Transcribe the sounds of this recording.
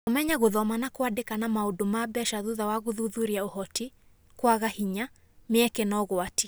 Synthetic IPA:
omɛɲaɣoðɔmanakoadekanamaodomabɛʃaðuðawaɣoðuðuɾiaohɔti | kwaɣahiɲa | mɪɛkɛnɔɣoati

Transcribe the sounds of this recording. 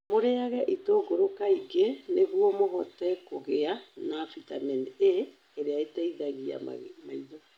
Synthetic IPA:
moɾeaɣɛʔitoɡoɾokaiɡeneɣuɔmoɣɔtɛkoɣeanafitamɛneː | ɾeaetɛiðaɣia̰ma̰maiðo

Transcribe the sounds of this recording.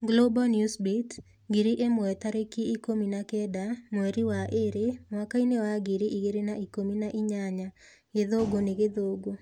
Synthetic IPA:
ɡlobɔnjusbit | ɡiɾiʔemɔɛtaɾekiikominakɛdamwɛɾiwaʔeɾemwakainewaɡiɾiʔiɡeɾenaikominaʔɪɲaɲa | ɡeðoɡoneɡeðoɡo

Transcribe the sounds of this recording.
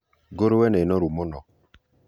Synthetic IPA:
ɡoɾwɛnenɔɾumɔnɔ

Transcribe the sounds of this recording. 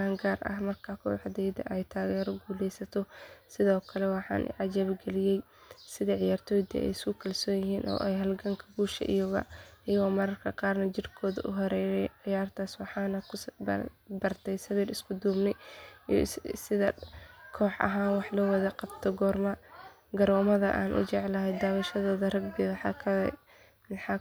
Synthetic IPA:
aːŋɡaːrʔɐ̰ɦmɐrkʰɐkʰɔ̰ːħd̪ɛjd̪ɐ̰ʔɛjt̪ʰaːɣɛːɾɔɡuːlɛjsɐt̪ʰɔsɪðɔːkʰɐlɛwɑħɑ̰ːnʔɪ̰ʕɑd͡ʒaːβɡɛlɪjɛj | sɪðɐʕɪjaːrt̪ʰɔːjd̪ɐ̰ɛ̰jɪskʊkʰɐlsɔːjɪɦiːnʔɔ̰ːʔɛjɦɐlɡɐŋkʰɐɡuːʃɐ̰ʔɪ̰jɐɣɐ̰ʔɪjɐɣɔːmɐɾɐrkʰɐqɑːrnɐt͡ʃɪrkʰɔːðɐʔʊɦɐɾɛɛjʕɪjaːrt̪ʰaːswɑħɑːnɐkʰ | bɐrt̪ʰɛjsɐβiːɾɪskʰʊd̪uːbnɪ | sɪðɐkʰɔːħʔɐ̰ɦaːnwɑħlɐwɐðɐqɑbt̪ʰɔɡɔːrmɐ | ɡɐɾɔːmɐðɐʔaːnʔʊ̰t͡ʃɛʕlɐɦɛjd̪aːwɐʃɐðɔːðɐrɐɡ̚bɪɣɐħɑ̰kʰɐlɛ | wɑħɑ

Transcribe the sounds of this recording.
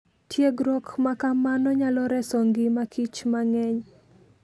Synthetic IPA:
tʰjeɡɾokmakamanɔɲalɔɾɛsoŋɡɪmakit͡ʃmaŋɛɲ

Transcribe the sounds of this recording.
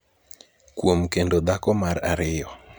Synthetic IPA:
kwomkendod̪akɔmaɾaɾɪjɔ

